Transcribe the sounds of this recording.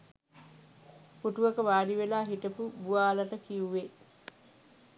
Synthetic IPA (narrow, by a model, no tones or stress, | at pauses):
puʈuʋəkəʋaːɖiʋelaːɦiʈəpubuʋaːlɐʈəkiuʋe